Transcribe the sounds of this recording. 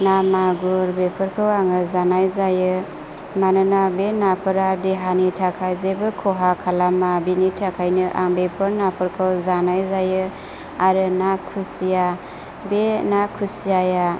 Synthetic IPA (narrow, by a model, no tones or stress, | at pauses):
namaɡuɾbepʰɯɾkʰɯwaŋɯzanajzajɯ | manɯnabenapʰɯɾadeɦanitʰakʰajzebɯkʰɔɦakʰalamabinitʰakʰajnɯʔa̰ŋbepʰɯɾnapʰɯɾkʰɯwzanajzajɯ | aɾɯnakʰusija | benakʰusijaja